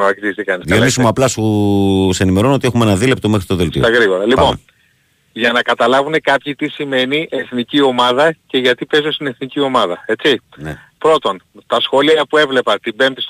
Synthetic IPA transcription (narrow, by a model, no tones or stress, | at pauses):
eksist̪ikɐnisðjonisimuɐplɐsusenime̞ɾo̞not̪ie̞xumenɐðile̞p̚t̪o̞mexɾit̪o̞ðeltsḭoɐɣɾiɣo̞ɾɐlippo̞nn | ʝɐnɐkɐt̪ɐlɐvune̞kɐpçit̪isime̞niʔeθnicio̞mɐðɐce̞ʝɐt̪ipe̞zost̪ine̞θnicio̞mɐðɐe̞t͡sin | pɾo̞t̪o̞nt̪ɐsxo̞liɐpue̞vle̞pɐt̪ibe̞mt̪is